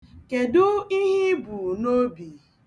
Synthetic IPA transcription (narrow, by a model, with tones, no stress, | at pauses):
ke˨dʊ˦i˦ɦi˦bu˨no˦bi˨